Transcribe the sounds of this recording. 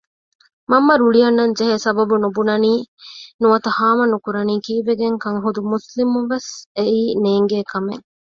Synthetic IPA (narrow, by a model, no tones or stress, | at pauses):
mɐmːɐɾuɭijɐnːɐɲd͡ʒeɦesɐbɐbunubunɐniːnuʋɐt̪ɐhaːmɐnukuɾɐniːkiːbeɡeŋkɐŋɦud̪umuslimuʋeseiːneːŋɡeːkʰɐmeŋ